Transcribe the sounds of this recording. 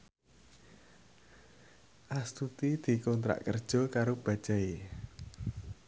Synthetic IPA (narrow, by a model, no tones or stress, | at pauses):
ʔast̪ut̪id̪̥i̤kɔnt̪ɾa̰ʔkərd̥ʒ̥ɔ̤kaɾob̥ä̤d̥ʒ̥a̤e